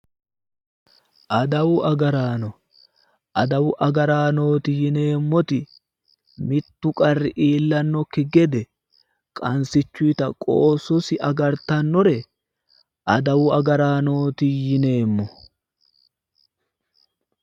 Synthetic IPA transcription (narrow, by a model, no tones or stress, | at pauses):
ʔɐd̪ɐwʊɐɡɐɾaːnɔ | ʔɐd̪ɐwʊʔɐɡɐɾaːno̞ːt̪ɪjɪne̞ːmːɔt̪ɪ | mɪt̪ːʊkʼɐrːɪʔiːlːɐnːɔkːɪɡɛd̪ɛ | kʼɐnsɪt͡ʃːʊjt̪ɐkʼoːsɔsɪʔɐɡɐɾt̪ɐnːɔɾɛ | ʔɐd̪ɐwʊɐɡɐɾaːno̞ːt̪ɪjɪne̞ːmːɔ